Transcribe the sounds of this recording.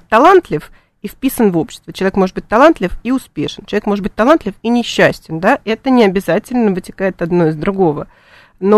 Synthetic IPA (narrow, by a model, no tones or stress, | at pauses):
t̪ɐlˠant̪lʲɪf | ifpʲisənvo̞pɕːɪ̥st̪vʲət͡ɕɪlˠɐvʲekmo̞ʐɨt̪̚bɨtʲt̪ɐlˠant̪lʲɪfiʊspʲe̞̰ʂɨnt͡ɕɪlɐvʲekmoʐɨt̪̚bɨt̚ʲt̪ɐlˠant̪lʲɪfinʲɪɕːæsʲtʲɪnd̪aʔɛt̪ənʲɪɐbʲɪzatʲɪlʲnəvɨtʲɪ̥kajɪt̪ɐd̪no̞ɪzd̪ɾʊɡo̞və | no